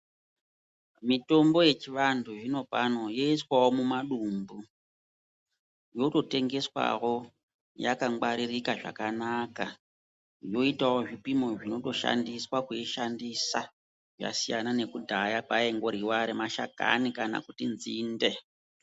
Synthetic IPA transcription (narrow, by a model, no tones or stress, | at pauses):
mito̞mbo̞je̞t͡ʃiʋandʰuʐino̞pano̞joiswawo̞mumaɗumbu | jo̞to̞te̞ŋɡe̞swa̰wo̞ | jakaŋɡ͡baɾirikaʐa̰kanaka | jo̞itawo̞ʐipimo̞ʐino̞to̞ʃa̰ndiswakuiʃandisa | ʐa̰sijanane̞kudʱajakwae̞ŋɡo̞ɾiwaɾemaʃa̰ka̰nikana̰kutinziːnde̞